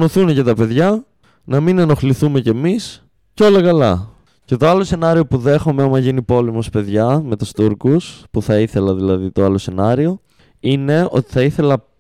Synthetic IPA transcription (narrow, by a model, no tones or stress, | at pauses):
noθunecɐt̪ɐpe̞ðʝɐ | nɐmineno̞xliθume̞ce̞mis | ceo̞lɐkɐlɐ | ce̞t̪o̞ɐlose̞nɐɾio̞puðe̞xo̞meɐmɐʝinipo̞lemo̞spe̞ðʝɐme̞t̪ust̪uɾkuspuθɐiθe̞lɐðilɐðit̪oɐlo̞se̞nɐɾio̞ | ine̞o̞̰t̪i̥θɐiθe̞lɐ